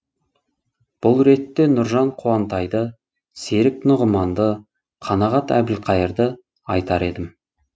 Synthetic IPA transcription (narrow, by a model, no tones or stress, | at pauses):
b̥ʊlˠɾe̞t̪ːe̞nʊɾʒɑɴqʰuɑnt̪ɑjd̪ə | se̞ɾɪknʊʁəmɑnd̪ə | qʰɑnɑʁɑt̪æ̰bɪlqʰɑjəɾd̪ə | ɑjt̪ɑɾe̞d̪ɪm